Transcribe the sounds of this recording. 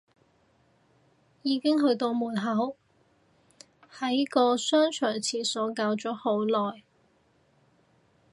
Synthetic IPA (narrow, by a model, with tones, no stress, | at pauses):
jiː˨˧kɪ˥ŋɦɵ˧ɥt̪o˧wmuː˨˩nɦɐ˨˥w | hɐ˨˥jkɔː˧sœː˥ŋt͡ʃʰœː˨˩ŋt͡sʰiː˧˩sɔː˨˥kaː˧wt͡sɔː˨˥ho˨˥wlɔː˨j